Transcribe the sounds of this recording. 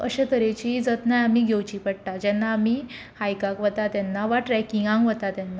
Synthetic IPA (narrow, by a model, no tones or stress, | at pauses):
əɕət̪əɾet͡ɕid͡zət̪najamiːɡʱewt͡ɕiːpəɽʈ̪ad͡ʑɛnːaːmi | hajkakʋət̪at̪ɛnːaʋaʈɾɛkiŋɡãŋɡʋət̪at̪jɛnːa